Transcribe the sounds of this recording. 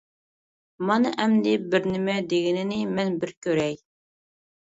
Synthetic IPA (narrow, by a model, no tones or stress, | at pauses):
mɑnɨʔɛmd̪ɪbɪɾnɪmɛd̪eɡʲɪnɪnɪmɛnbɪɾkʲʰøɾɛj